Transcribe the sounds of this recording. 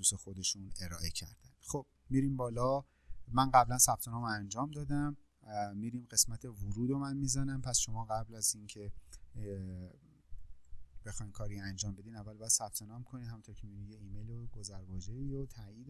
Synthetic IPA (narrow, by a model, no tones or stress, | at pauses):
d̪uːsexo̞d̪e̞ʃune̞ɾɒːʔe̞cʰæɾd̪̥ænd̪̥xob̥ | miɾimbɒːlɒ | mænɢæblænsæb̥̚t̪ʰe̞nɒːmoænd͡ʒɒːmd̪ɒːd̪æm | miːɾimɢe̞smæt̪ʰe̞voɾuːd̪omænmizænæmpʰæsʃo̞mɒːɣæblæzincʰe̞ | b̥e̞xɒjmkʰɒːɾiænd͡ʒɒːmbe̞d̪iːd̪ævːælbɒjæd̪sæp̚t̪ʰe̞nɒːmkʰo̞nid̪hæmunt̪ʰoɾcʰemiunijeiːmejloɡozæɾbɒːd͡ʒeiɾot̪ʰæiːd̪